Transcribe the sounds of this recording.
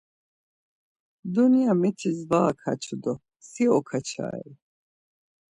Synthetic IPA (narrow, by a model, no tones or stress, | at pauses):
d̪unijamɛt̪ʰizvaakʰa̰t͡ʃʰud̪ɔ | siɔkʰat͡ʃʰa̰ːɛ̰